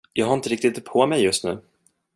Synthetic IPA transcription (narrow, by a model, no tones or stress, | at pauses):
jɑːɡɦaɪnt̪əɾɪk̚t̪ɪt̪pʰɔmɛjːɵst̪nʉ̟ː